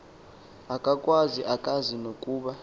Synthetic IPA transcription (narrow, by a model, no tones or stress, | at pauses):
akʼakʼwaziʔakʼazinokʼuːɓa